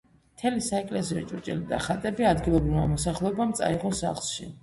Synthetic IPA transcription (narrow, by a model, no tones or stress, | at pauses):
mt̪ʰɛlisaɛkʼlɛsiɔ̰t͡ʃʼuɾt͡ʃʼɛ̰lid̪a̰χat̪ʼɛbiad̪ɡilˠɔbɾivma̰mɔsaχlˠɛɔbamt̪sʼa̰iʁɔsa̰χlˠʃḭ